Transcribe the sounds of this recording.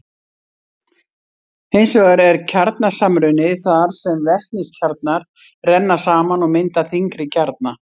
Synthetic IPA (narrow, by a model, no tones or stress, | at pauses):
hejnsvɛɣaɾɛɾcʰaɾt̪nasamɾʏnɪθaɾ̥sɛmvɛhkniscʰaɾt̪̚naɾ̥ | rɛnːḁsaːmanɔmɪnt̪aθiŋkɾɪcʰaɾt̪̚na